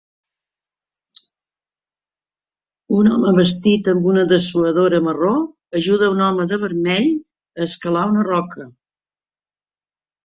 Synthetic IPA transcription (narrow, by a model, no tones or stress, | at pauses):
unɔməβəst̪it̪əmbunəðəsuəðoɾəməro | əʒuð̞əunɔməðəβəɾmɛʎ | əːskəlaunərɔkʰə